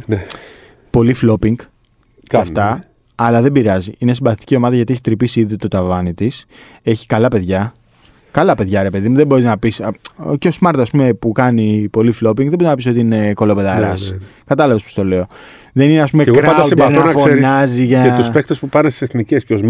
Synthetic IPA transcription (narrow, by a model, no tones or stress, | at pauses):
ne | po̞liflo̞piŋɡ | eɐft̪ɐ | ɐlɐðe̞mbiɾɐziinesimbɐθt̪i̥cio̞mɐðɐʝɐt̪ieçi̥t̪ɾipisiiðiot̪ot̪ɐvɐnit̪is | e̞çi̥kɐlɐpe̞ðʝɐ | kɐlɐpe̞ðʝɐɾe̞peðimuðebo̞ɾiznɐpisceozmɐɾt̪ɐspume̞pukɐnipo̞liflo̞p̬iŋɡðeboɾiznɐpis̬o̞t̪iine̞ko̞lopeðɐɾɐskɐt̪ɐlɐvespo̥st̪o̞le̞o̞ | ðe̞nineɐspumeɣkoɾɐɐɐutenonɐfsoeɾnɐziʝɐuspekt̪ospupɐɾnest̪iseθnicesceos